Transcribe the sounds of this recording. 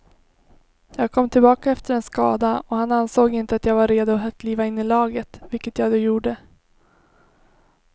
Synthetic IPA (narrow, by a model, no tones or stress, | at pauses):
jɑːɡ̚kʰɔmːt̪ʰɪlbɑːkaɛft̪əɾɛnskɑ̰ːd̪aɔhanansoːɡɪnt̪əat̪jaːɡvaɾeːd̪ʊɦət̪̚kʰliːvaɪnːɪlɑːɡət̪vɪlkət̪jaːɡd̪oːjuːɖə